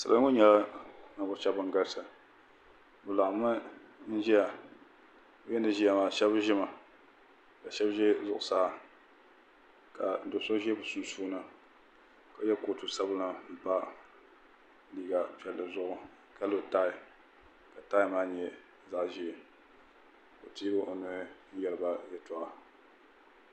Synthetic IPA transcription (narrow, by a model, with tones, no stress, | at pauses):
sa̰˨la˦ŋo˦ɲɛ˦la˦na˨bʊ˨˦t͡ʃɛ˦bɨ˨ŋ˦ɡa˦lsɨ˨ | bɨ˨la˨ʔmɨ˦n̩˦ʒɛ˦ja˨˦ | jɛ˦nɨ˨ʒi˦a˨maː˨ʃɛ˦bʒɪ˦ma˨ | ka˨ʃɛ˦bʒɛ˦zʊ˨ʔʊ˨saː˦ | ka˨n˨do˨so˦ʒi˦bɨ˨su˨nsuː˦nɨ˨ | ka˨˦jɛ˦ko˨tu˨sa˦bɨ˦nɨ˦m̩˨pa˦ | liː˨ɡa˨pɛ˨lːɨ˨zʊ˦ʔʊ˨ | ka˨˦lɨ˦˨ta˦ɪ˨ | ka˨taː˦ɪ˦maː˦ɲɛ˦ | za˦ʔʒi˨e˨ | ko˨tiː˦bɨ˦ʔo˨nʊ˨ɾɪ˦n̩˦jɛ˨lɨ˨ba˦jɛ˦tɔ˨ʔa˨